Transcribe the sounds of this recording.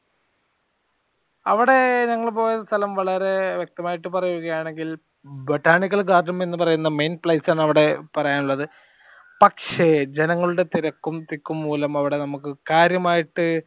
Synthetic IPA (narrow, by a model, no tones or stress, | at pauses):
ɐʋiɽe̞ɲɐŋːɐɭpo̞ːjɐst̪ʰɐlɐmʋɐɭɐɾe̞ʋjek̚t̪ɐmaːjiʈːɨpɐrɐjuɣɐjaːɳe̞ŋɡil | boʈːaːɳik̬ːɐlɡaːɖːɐme̞nːɨpɐrɐjunːɐme̞jnpɭɐjsaːɳɐʋiɽe̞pɐrɐjaːɳuɭːɐðɨ | pɐkʂe̞d͡ʑenɐŋːɐɭuɽe̞t̪iɾɐkːumt̪ikːumːuːlɐmɐʋiɽe̞nɐmukːɨkaːɾjɐmaːjiʈːɨ